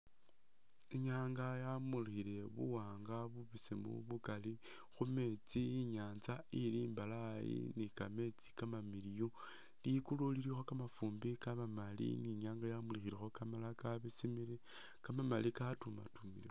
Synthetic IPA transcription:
eɲaːŋɡajamulixile̞βṵwaːŋɡaβuβisimṵβukali | xume̞t͡siiɲaːnzailiːmbalajḭnikame̞t͡si̥kamamilijo | likululiɾixo̞kamafuːmbikamamalḭniɲaːŋɡajamulixiɾexo̞kamalakaβisimiɾe | kamamalikatuma̰tumili

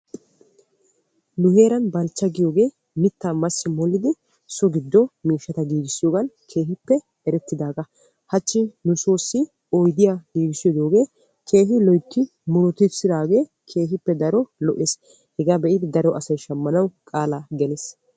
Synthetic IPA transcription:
nʊhe̞ːɾɐnbɐlt͡ʃːɐɡɪjo̞ːɡe̞ː | mɪt̪ːaːmɐsːɪmɔlːɪd̪ɪ | sɔɡɪd̪ːɔmiːʃːɐt̪ɐɡiːɡɪsːɪjoːɡɐnkʰe̞ːɦɪpːɛ | ɛɾɛt̪ːɪd̪aːɡɐ | hɐt͡ʃːɪnʊsoːsːɪ | ɔjd̪ɪjaːɡiːɡɪsːɪjɔd̪oːɡe̞ː | kʰe̞ːɦɪlɔjt̪ːɪ | mʊɾɔt̪ɪsɪd̪aːɡe̞ː | kʰe̞ːɦɪpːɛd̪ɐɾɔlɔʔeːs | hɛɡaːbɛʔɪd̪ɪd̪ɐɾɔʔɐsɐjʃɐmːɐnɐwkʼaːlaɡɛneːs

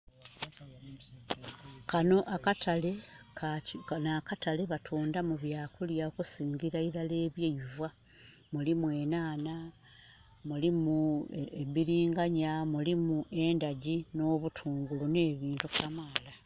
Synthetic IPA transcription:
kano̞ʔakatale̞kaknaːkatale̞βatʰuːndamuβjaːkuljaokusiːɲɟiɾaiɾale̞ːβjejvwa | mulimwe̞ːnaːna | mulimueβiɾiːŋɡaɲamulimuʔe̞ndaɟino̞ːβutʰuːŋɡulune̞ːβiːntukamaːla

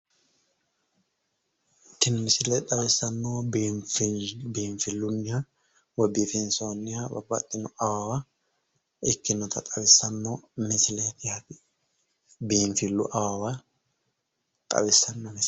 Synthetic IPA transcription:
ɪkːɪnmɪsɪlɛt̪ʼɐbɪsɐnːo | beːɱfɪlːʊnːɪhɐ | wɔbɪfɪnsoːnːɪhɐbɐ̰bːɐ̰t̪ʼːɪnʊʔɐwawɐ | ɪkːɪnɔt̪ɐt̪ʼɐbɪsːɐnːomɪsɪlɛt̪ɪhɐt̪ɪ | beːɱfɪlːʊʔɐwawɐ | t̪ʼɐ̰bɪsːɐnːɔmɪs

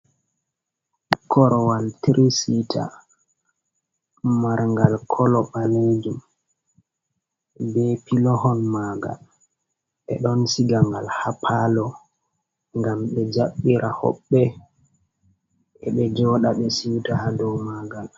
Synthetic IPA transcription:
kʰɔɾɔwaltɾʔisitʰa̰ | maɾŋɡalkʰɔlɔɓaled͡ʒu | bɛpilɔɦɔnmaɡa̰l | ɓɛ̰ɗɔnsiɡaŋɡalhapʰalɔ | ŋɡamɓɛd͡ʒaɓːiɾahɔ̰ɓːɛ | ʔɛɓɛd͡ʒɔːɗaɓɛsiwtahadɔwmaːɡal

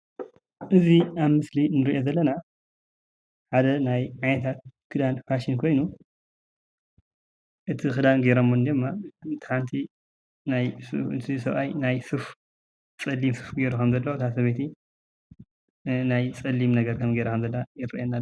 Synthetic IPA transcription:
ʔɨziaβmɨslinɨɾiʔo̞zɐlːɐna | ħad̪ɐnajʕajnɐt̪ʰat̪̚kʰɨd̪anfaʃinkʰo̞jnu | ʔɨt̪ʰixɨd̪anɡeɾomːond̪ɨmːat̪ʰɨ̥ħant̪ʰi | najsɨt̪ʰisɐβajnajsɨf | t͡sʼɐlimsɨfɡeɾukʰɐmzɐlːɐwt̪ʰas̬ɐβet̪ʰi | najt͡sʼɐlːimnɐɡɐɾkʰɐmɡeɾɐkʰɐmzɐlːɐajɪɾiʔenːa

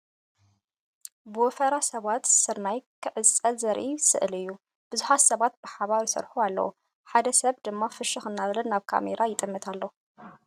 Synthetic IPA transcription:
bɨwɔfɐɾasɐβat̪sɨɾnajkʰɨʕɨt͡sʼɐlzɐɾʔisɨ̰ʔɨlɨjːu | b̥ɨzuħat̪sɐβat̪̚b̥ɨħaβaɾisɐ̰ɾħualːɐ̰wo | ħad̪ɐsɐβd̪ɨmːafɨʃɨxɨnːaβlɐnːaβkʰa̰meɾʔajɪt̪ʼɨmːɨt̪ʰalːo

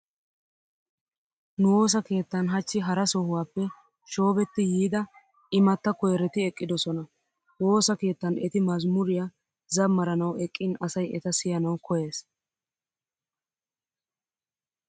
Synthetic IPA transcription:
nʊwo̞ːs̬ɐke̞ːt̪ːɐnɦɐt͡ʃːɪɦɐɾɐsɔhʊwaːpːɛ | ʃo̞ːbɛt̪ːɪjiːd̪ɐ | ʔɪmɐt̪ːɐkɔjɛɾɛt̪ɪɛkʼːɪd̪ɔsɔnɐ | wo̞ːsɐke̞ːt̪ːɐnɛt̪ɪmɐzmʊɾɪja | zɐmːɐɾɐnɐwɛkʼːɪnɐsɐjɛt̪ɐsɪjɐnɐwkɔje̞ːs

